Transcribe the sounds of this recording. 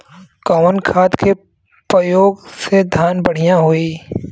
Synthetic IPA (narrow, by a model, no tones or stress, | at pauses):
kɔːʋənkʰaːd̪ke | pɾəjoːɡsed̪ʱjaːnbɐɽ̤ijãɦoi